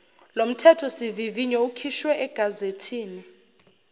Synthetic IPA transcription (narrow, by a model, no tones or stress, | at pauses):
lom̩tʰɛtʰɔsiviviɲɛukʰiʃwɛʔɛɡ̥ʱazetʰiːni